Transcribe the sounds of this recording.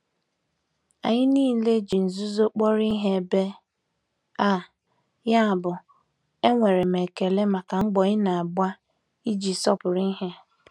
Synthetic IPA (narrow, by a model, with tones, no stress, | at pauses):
a̰˨ɲɪ˦niː˦le˦d͡ʒi˨n̩˨zu˦zo˦k͡pɔ˦ɾi˦ɦe˦˨be˦ | a˦˨ | ja˦a˨bʊ˨ | e˦ŋʷe˨ɾe˨m˨e˨ke˨le˦ma˨ka˨ŋ͡m̩˦ɡ͡bɔ˨ɲɪ˦na˨a˨ɡ͡ba˦ | i˦d͡ʒi˨sɔ˦pʊ˨ɾi˦ɦe˦